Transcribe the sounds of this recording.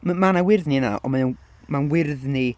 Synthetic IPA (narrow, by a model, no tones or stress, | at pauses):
mmanawɪrðnina̰ʔɔ̰manə | manwɪrðni